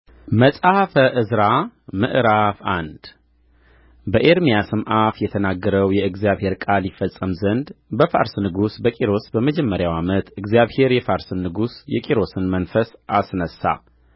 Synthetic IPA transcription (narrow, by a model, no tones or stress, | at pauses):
məsʼahfəʔɨzɾamɨ̰ʔɾafand̪ | bəʔeɾmijasɨmʔafjɛt̪ʰənaɡːəɾəwjɛɨɡzijaβhe̞ɾkʼaljifəsʼːəmzənd̪bəfa̰ɾsnɨɡusbəkʼiɾo̞sbəməd͡ʒɛmːəɾjawamət̪ɨɡzjaβhe̞ɾjɛfaɾsɨnːɨɡusjɛkʼiɾo̞sɨnmənfəsʔasnəsːa̰